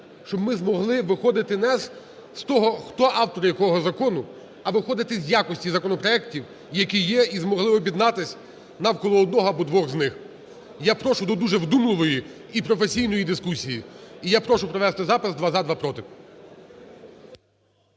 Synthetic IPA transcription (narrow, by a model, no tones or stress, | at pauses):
ʃt͡ʃɔbmɪzmɔɦlˠɪʋɪxɔd̪ɪt̪ɪnɛs | st̪ɔɦɔxt̪ɔʔɑwt̪ɔɾɪjɐkɔɦɔzɐkɔnʊ | ɐʋɪxɔd̪ɪt̪ɪzʲjakɔsʲtʲizɐkɔnɔpɾɔɛktʲiw | jɐkʲijɛizmɔɦlˠɪɔbʲid̪nɑt̪ɪsʲ | nɐwkɔlˠɔɔd̪̚nɔɦɔɐbɔd̪ʋɔɣznɪx | japɾɔʃʊd̪ɔd̪uʒɛwd̪umlˠɪʋɔji | ipɾɔfesʲijn̪ɔjid̪ɪskusʲijiijapɾɔʃʊpɾɔʋɛst̪ɪzɑpɪsd̪ʋɑzad̪ʋɑpɾɔt̪ɪp